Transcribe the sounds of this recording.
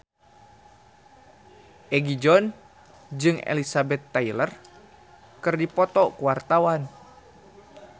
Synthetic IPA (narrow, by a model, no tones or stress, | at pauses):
ʔɛɡid͡ʒɔn | d͡ʒɨŋḛlisabɛt̪ːailər | kɨrdipɔt̪ɔkuwart̪awan